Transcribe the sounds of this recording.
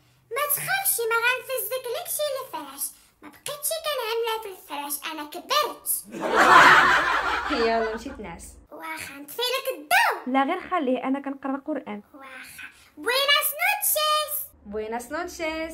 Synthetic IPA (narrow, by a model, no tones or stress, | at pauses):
mæt̪xæfʃimæɣænfəzːəkləkʃilfæɾæʃ | mæbqit̪ʃikænʕamlæt̪lfɾæʃʔænækəbːəlt̪ | həjælunt̪it̪næswæxænt̪filəkəd̪ːæwlæɣiɾxælːihʔænækænqɑɾˤːɑqʊɾʔænwæxa | binæsnut̪ʃæs | bwinæsnut̪ʃez